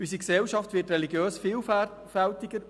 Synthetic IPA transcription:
ysiksɛlʃɑftʋɪːtrɛliɡjøːsfiːl | fɛltɪɡə

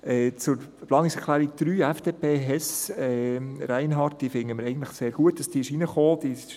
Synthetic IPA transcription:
ɛːt͡sʊɾplɑːnɪksɛkʰlæːɾiɡ̚d̥ɾyːɛfd̥eːpʰeːɦɛsɛɾæɪnɦɑːrt̚d̥iːfɪŋəməɾɛɪɡən̩t̪ləχseːɾɡ̥uət̚d̥ɑsd̥iɪʃinəχoːd̥iʃ

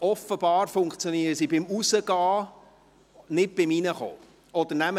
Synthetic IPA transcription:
ɔfəb̥ɑːɾfʊŋkt͡sjoniəɾəsibɪmusəɡɑː | nɪt̚b̥ɪminəχo̰ː | ɔd̥̪ənæmə

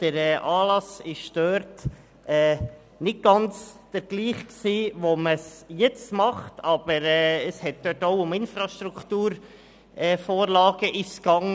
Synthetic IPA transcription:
d̥əɾɛːʔɑːlɑsɪʃd̥øːɾt | ɛː | nɪt̚ɡ̥ɑnt͡sd̥əɾɡ̥liːχksiːʋoməsjɛt͡stmɑχtɑb̥əɾɛːəshɛt̚d̥œtoʊʊmɪnfɾɑʃt̪ɾuktuːɾ | ɛːfoːɾlɑːɡ̥əʔɪʃɡ̥ɑŋ

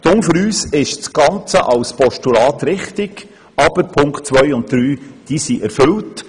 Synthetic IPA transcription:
d̥ʊŋføɾyːsɪʃt͡sɡ̥ɑnt͡səʔɑwspʰɔʃtulɑːtɾɪχtɪɡ | ɑb̥əɾpʰʊŋkt̚t͡sʋœjʊnt̚d̪̥ɾyːd̥iːsiʔɛɾfɵlt

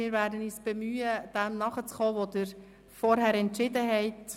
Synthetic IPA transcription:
ɪːɾvæːɾdəniːsb̥ɛmyːəd̥ɛmnɑχət͡sχɔːʋodɪɾ | fɔɾɦæɾɛntʃɪdəɦɛɪt

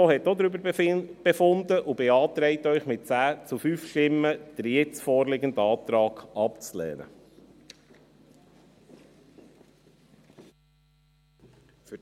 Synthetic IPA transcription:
ohɛt̪ːod̪ɾʏbəɾb̥efʊnd̪əʔubɛɑːt̪ɾɛɪtœʏχmɪt̚t͡sæːt͡sufyfʃtɪmːəd̥̪əɾjɛt͡sfɔːɾlɪɡənd̪əɑːt̪ɾɑːɡɑpt͡slɛ̰ːnə̰ | f

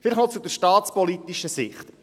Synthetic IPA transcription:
fɪləχnɔt͡sudəɾʃtɑːt̪spɔlit̪iʃəsɪχt

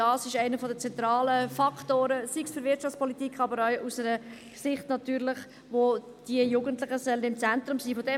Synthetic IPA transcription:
ɑːsɪʃɛɪnəfɔdət͡sɛnt̪ɾɑːləfɑktoːɾəsiksfyɾvɪtt͡ʃɑft͡spʰɔlit̪ikχɑbəɾœʏusɛɾə | sɪχtnɑt̪yːɾlɪχ | ʋo | d̥iəjuːɡəntlɪχəsœlənɪmt͡sɛnt̪ɾʊmsiːfɔdɛ

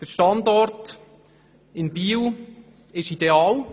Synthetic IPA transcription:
d̥əɾʃtɑndɔɾt | ɪnbiːw | ɪʃideɑːl

